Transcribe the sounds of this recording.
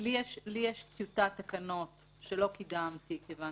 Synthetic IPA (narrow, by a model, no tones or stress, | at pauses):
lijeʃlijeʃt̪jutat̪akɐno̞t | ʃelo̞kidamtikevan